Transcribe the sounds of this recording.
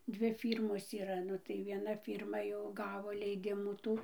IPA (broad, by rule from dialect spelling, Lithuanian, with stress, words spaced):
ˈdʲʋʲɪ ˈfʲiːrmoːs iːˈrɐ ˈnʊ tɐɪ ʋʲiɛˈnɐ ˈfʲiːrmɐ jɛʊ ˈɡɑːʋoː lʲɛɪˈdʲɪmuː ˈtuː